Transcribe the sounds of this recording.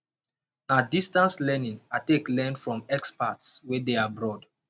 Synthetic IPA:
nadistãnslɛnĩŋateklɛ̃nfɹɔ̃mɛkspatswedeabɹɔd

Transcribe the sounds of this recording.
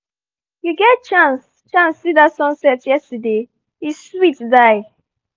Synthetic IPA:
juɡɛtt͡ʃãns | t͡ʃãnsːidatsɔ̃nsɛtjɛstəde | iswitdaɪ̥

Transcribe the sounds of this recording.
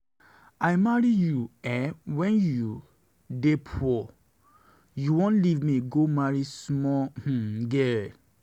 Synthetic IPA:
ajmaɹijuɛwɛ̃nju | depʰɔ | juwɔ̃nlivmiɡomaɹismɔh̩ɡɛl

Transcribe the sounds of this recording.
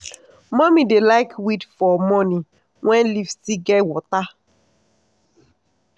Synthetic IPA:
mɔmidelaɪkwitfɔmɔni | wɛ̃nlifsiɡɛwʊta

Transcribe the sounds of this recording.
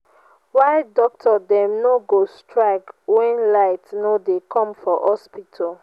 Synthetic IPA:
waɪdɔk̚tʰɔdɛ̃mnoɡostʰɹaɪkwɛ̃nlaɪtnodekɔ̃mfɔhɔspitʰɔl

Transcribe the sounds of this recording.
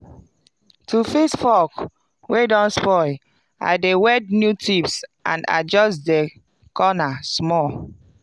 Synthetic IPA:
tʰufisfɔk | wedɔ̃nspɔ | a̰ɪdewɛdnjutipsã̰na̰d͡ʒɔstdɛ | kɔnasmɔl

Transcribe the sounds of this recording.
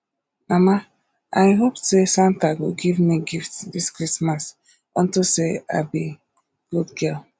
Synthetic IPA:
mama | ajɦopsesãntaɡoɡivmiɡiftdiskɹismas | ɔ̃ntosea̰bi | ɡ̥udɡɛl

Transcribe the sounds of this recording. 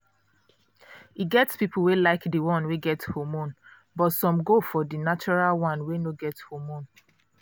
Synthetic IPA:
iɡɛtspipl̩welaɪkdəwɔ̃nweɡɛthomõn | bɔtsɔ̃mɡofɔdinat͡ʃɔɹalwɔ̃nwenoɡɛthomõn

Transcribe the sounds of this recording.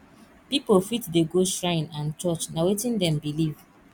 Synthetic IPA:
pipolfitdeɡosɹãɪ̃nãnt͡ʃɔt͡ʃnawetĩndɛ̃mbiliv

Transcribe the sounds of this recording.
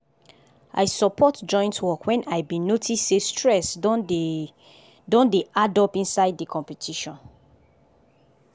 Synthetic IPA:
ʔa̰jsɔpʰɔtd͡ʒɔ̃j̃ntwɔkwɛ̃naɪbĩnotʰisːestʰɹɛs | dõndeadɔpĩnsaɪddikʰɔ̃mpɛtʰiʃɔ̃n

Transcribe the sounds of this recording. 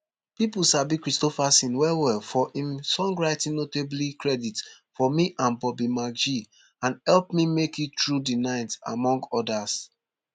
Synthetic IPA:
pipusabikɹistɔfasĩnwɛwɛlfɔʔĩmsɔ̃ŋɡɹaɪtĩnnoteblikɹɛdit | fɔmiʔãnbɔbimad͡ʒi | ãnhɛlpmimekitɹudinãɪ̃nta̰mɔ̃ŋɡɔdas

